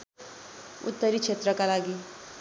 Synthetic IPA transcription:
ṵt̪ːəɾiːkʂet̪ɾəkalaɡiː

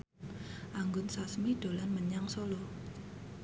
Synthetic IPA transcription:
ʔaŋɡʊnsasmiɖ̥o̤lanməɲaŋsolo

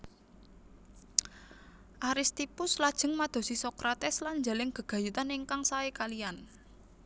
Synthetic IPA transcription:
ʔaɾist̪ipʊslad̥ʒ̥ə̤ŋmad̪̥o̤sisɔkɾat̪ɛslaɲd͡ʒalɪŋɡ̥ə̤ɡ̥a̤jut̪aniŋkaŋsaekalijan

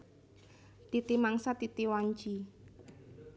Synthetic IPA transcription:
t̪it̪imaŋsat̪it̪iwaɲt͡ʃi

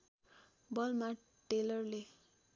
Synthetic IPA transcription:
bʌlma | ʈelʌrle

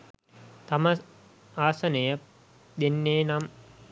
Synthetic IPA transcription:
t̪amə | aːsɐnɐjə | d̪enːeːnam

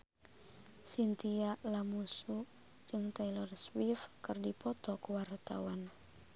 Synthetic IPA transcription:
sint̪ialamusu | d͡ʒɨŋt̪ailɔrswifkɨrdipɔt̪ɔkuwart̪a̰wan

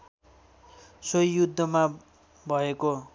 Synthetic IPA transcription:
sojːud̪ʱːʌma | bʱʌeko

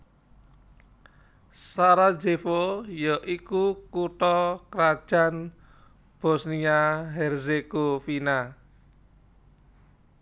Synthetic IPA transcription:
saɾḁd͡ʒefojɔʔikukuʈɔkɾad̥ʒ̥ä̤n | b̥ɔsniaɦɛrzeɡ̥ofina

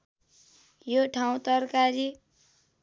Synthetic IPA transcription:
joʈʰaw̃t̪ʌrkaɾi

